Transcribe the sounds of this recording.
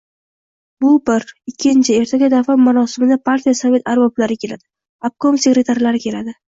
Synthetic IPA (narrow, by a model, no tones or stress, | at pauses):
bʊbɪɾɪkʲʰːɪnt͡ʃʰɪe̞ɾt̪ʰaɡʲad̪afammːaɾɒsɪmɪd̪apʰaɾt̪ʰʲijasave̞t̪ʰaɾbɒblaɾɪkʲʰe̞lad̪̥ɪ | ab̚kʰomse̞ɡɾe̞t̪ʰaɾlaɾɪkʲʰe̞lad̪ɪ